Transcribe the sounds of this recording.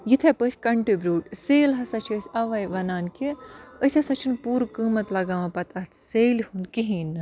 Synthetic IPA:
jit̪ʰepət͡ʃʰʲkɐɳʈibɾuːʈseːlɦɐsɐt͡ʃʰəsʲɐʋɐjʋɐnaːnkiəsʲɐsɐt͡ʃʰinpuːɾkɨːmɐt̪lɐɡaːʋɐ̃pɐt̪ɐt̪seːlhund̪kiɦiːnɨ

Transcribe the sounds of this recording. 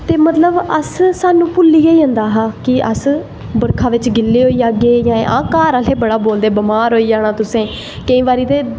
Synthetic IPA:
t̪eːmət̪ləbəssaːnũːpʊlːiːaiːə̃nd̪aːɦaːkɪəs | bəɾkʰaːʋɪt͡ʃɡɪlːeːɦoːiːaːɡeːjãːẽʔã̰ːkaːɾaːleːbəɽaːboːld̪eːbəmaːɾɦoːiːd͡ʒaːɽ̃ãːt̪ʊsẽː | kəĩːʋaːɾiːt̪eː

